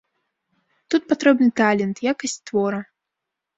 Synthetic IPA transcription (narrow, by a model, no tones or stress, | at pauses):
t̪ut̪̚pat̪ɾɛbnɨt̪alʲɛnt̪jakɐsʲt͡sʲt̪vɔɾɐ